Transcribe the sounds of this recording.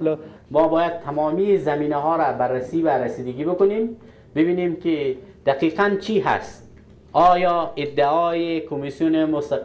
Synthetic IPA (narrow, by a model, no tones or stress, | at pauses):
l | mɔːbɔːjad̪̚t̪ʰamɔːmizamiːnaɦɔːɾabaɾːasiːvaɾasiːd̪aɡiːbʊkʊnem | bɪbiːneːmkid̪̥aqiːqant͡ʃʰiːɦa̰st̪ | ɒːjɒːɪd̪ːaɒːjekʰomisjunemʊst̪a